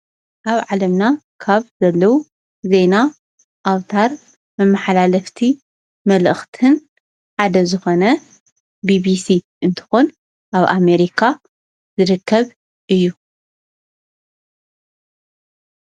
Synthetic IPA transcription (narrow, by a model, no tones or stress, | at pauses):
ʔaβʕalɐmna | kʰaβzɐlːɐwu | ze̞na | ʔawt̪ʰaɾ | mɐmːaħalalɐft̪ʰi | mɐlʔɨxt̪ʰɨn | ħad̪ɐzɨxo̞nɐ | bibisi | ʔɨnt̪ʰɨ̥xun | ʔaβʔame̞ɾikʰa | zɨɾɨkʰːɐβ | ʔɨjːu